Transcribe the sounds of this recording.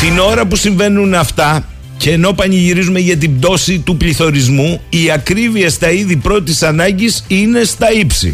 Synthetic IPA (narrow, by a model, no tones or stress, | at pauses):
t̪ino̞ɾɐpusiɱve̞nunɐft̪ɐ | ce̞ːno̞pɐniʝiɾizume̞ʝɐt̪̬ibd̪o̞sit̪upliθo̞ɾizmuiɐkɾiviest̪ɐiðipɾo̞t̪isɐnɐɲɟisine̞st̪ɐipsḭ